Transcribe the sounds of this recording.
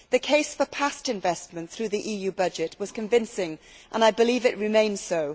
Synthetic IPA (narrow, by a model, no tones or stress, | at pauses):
ðɨkʰeɪsfəpʰastɨ̃ɱvɛsmə̃nθɹʉðiʔijʉbʌd͡ʒɪt̚wɒz̥kɨ̃ɱvɪ̃nsɪ̃ŋ | ʔə̃naɪbɨlivɨʔɹɨmẽɪ̃nz̥soʊ